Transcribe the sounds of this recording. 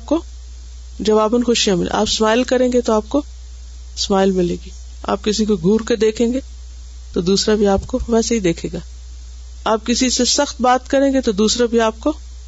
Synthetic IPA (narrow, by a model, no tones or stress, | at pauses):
aːp̚ko | d͡ʒɐʋaːbənxʊʃijãmɪlḛʔa̰ːpsmaːɪlkɐɾẽːŋɡet̪oaːp̚ko | smaːɪlmɪlẽːɡiː | a̰ːp̚kɪsikoɡʱuːɾkeɾd̪eːkʰẽːŋɡe | t̪od̪uːsɾabʱiaːpkoʋɛːsaɦid̪eːkʰẽːɡaː | aːp̚kɪsisesɐxt̪̚baːt̪kɐɾẽːŋɡet̪od̪uːsɾabʱiaːp̚ko